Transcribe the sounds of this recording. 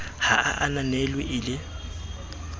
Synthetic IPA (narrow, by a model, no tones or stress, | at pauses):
haʔa̰ʔananɛlwɪʔɪlɪ